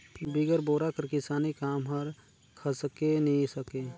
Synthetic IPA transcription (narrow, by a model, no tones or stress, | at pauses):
biɡəɾboːɾakəɾkɪsaːnikaːmɦəɾ | kʰəsəkenəɦĩsəke